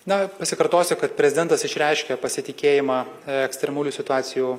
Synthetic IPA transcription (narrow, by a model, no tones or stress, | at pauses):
nɐpɐsʲɪkɐɾt̪oːsʲɪkɐt̪pʲɾʲɛzʲɪd̪ʲɛnt̪ɐsɪʃʲɾʲɛɪʃʲkʲɛpɐsʲɪt̪ʲɪkʲeːjɪmɑː | ɛksʲt̪ʲɾʲɛmuːlʲuːsʲɪt̪ʊɑːsʲɪjuː